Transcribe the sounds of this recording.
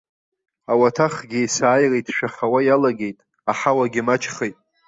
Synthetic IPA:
awatʰaχɡʲɪjsaːjrejtʰʼʃᶣaχawajalaɡʲe̞jtʼ | aħawaɡʲɪmat͡ʃʰχejtʼ

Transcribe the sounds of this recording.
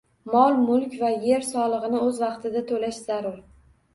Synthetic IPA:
mɒlˠmʊlˠkʲvaje̞ɾsɒlˠɨʁɨnɪɵzvɑqt̪ʰɪd̪at̪ʰolaʃz̥aɾʊɾ

